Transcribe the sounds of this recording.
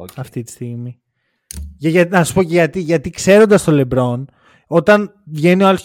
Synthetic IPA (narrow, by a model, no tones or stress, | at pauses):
ɐft̪it̪i̥st̪iɣmi | ʝʝɐnɐsu̥po̞ceʝɐt̪iʝɐt̪ikse̞ɾo̞nd̪ɐst̪o̞lebɾo̞n | o̞t̪ɐn | vʝe̞nioɐlos